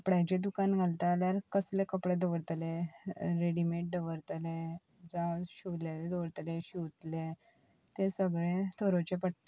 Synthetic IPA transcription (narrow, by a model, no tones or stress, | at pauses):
pɽajt͡ɕed̪ukanɡʱalt̪aljaɾkəslekəpɽed̪əʋəɽt̪leɾeɽimeʈ̚ɖəʋəɾt̪le | d͡zaɕiʋljaled̪oʋəɽt̪leɕuwt̪le | t̪esəɡɭẽt̪ʰoɾot͡ɕepəʈ̪